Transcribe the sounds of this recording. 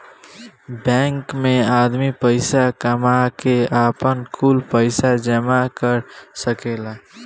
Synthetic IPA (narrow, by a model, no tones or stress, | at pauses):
bɛ̃ːŋkmẽaːd̪mipəɪsakəmakeaːpənkʰuːlpəɪsad͡ʒəmakəɾsəkeːla